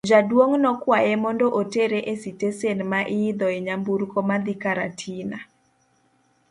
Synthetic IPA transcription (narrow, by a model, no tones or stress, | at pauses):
d͡ʒadwoŋnɔkwajɛmɔndɔʔoteɾeʔesitesenmaʔɪːd̪ɔɛɲambuɾkɔmad̪ikaɾatʰina